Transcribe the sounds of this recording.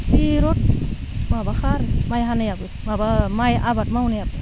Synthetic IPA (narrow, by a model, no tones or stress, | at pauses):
piɾɔt̚mabaxaɾmajɦanajabɯ | mabamajabatmawnajabɯ